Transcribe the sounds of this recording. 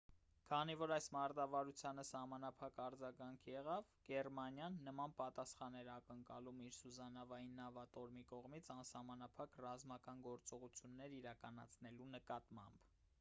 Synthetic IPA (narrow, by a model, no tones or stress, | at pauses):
kʰɑnivɔɾɑjsmɑɾd̪ɑvɑɾut͡sʰjɑnəsɑhmɑnɑpʰɑkɑɾd͡zɑɡɑŋkʰjɛʁɑv | ɡ̥ɛrmɑnjɑnːəmɑnpɑt̪ɑsχɑnɛɾɑkəŋkɑlumiɾsuzɑnɑvɑjinːɑvɑt̪ɔɾmikɔʁmit͡sʰɑnsɑhmɑnɑpʰɑkrɑzmɑkɑnɡɔɾt͡sɔʁut͡sʰjunːɛɾiɾɑkɑnɑ̰t͡sʰnɛlunəkɑt̪mɑ̰mb